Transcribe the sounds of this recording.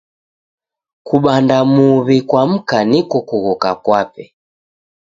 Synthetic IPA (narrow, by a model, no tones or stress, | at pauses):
kuɓandamuβikwam̩kanikɔkuɣɔka̰kwapɛ